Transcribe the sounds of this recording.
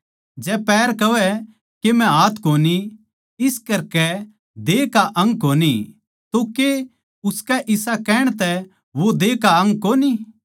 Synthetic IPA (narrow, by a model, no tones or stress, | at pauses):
d͡ʒɛːpɛːɾkɐʋɛ | kemɛ̃ɦaːt̪ʰkoːni | ɪskɐɾkɛ | d̪eːkaʔɐ̃ŋɡkoːni | t̪oke | ʊskɛʔɪsakɛːɽ̃t̪ɛ | ʋod̪eːkaɐ̃ŋɡkoːni